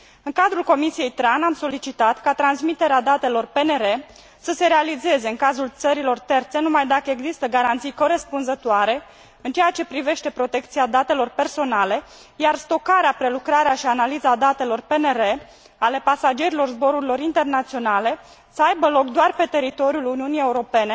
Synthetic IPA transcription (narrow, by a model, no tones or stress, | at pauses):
ɨŋkad̪ɾulko̞misijejt̪ɾanamso̞lit͡ʃit̪at̪kat̪ɾansmit̪e̞ɾead̪at̪e̞lo̞rpe̞neɾe̞ | səse̞ɾealize̞ze̞ɨŋkazult̪səɾilo̞rt̪e̞rt̪se̞numajd̪akəe̞ɡzist̪əɡaɾant̪sijko̞ɾe̞spunzət̪oaɾe̞ | ɨnt͡ʃe̞jat͡ʃe̞pɾive̞ʃt̪e̞pɾo̞t̪e̞k̚t̪siad̪at̪e̞lo̞rpe̞rso̞nale̞ | jarst̪o̞kaɾeapɾe̞lukɾaɾeaʃianalizad̪at̪e̞lo̞rpe̞ne̞ɾe̞ | ale̞pasad͡ʒe̞ɾilo̞rzbo̞ɾuɾilo̞ɾint̪e̞rnat̪sio̞nale̞ | səajbəlo̞kd̪oarpe̞t̪e̞ɾit̪o̞ɾjuluniunije̞uɾo̞pe̞ne̞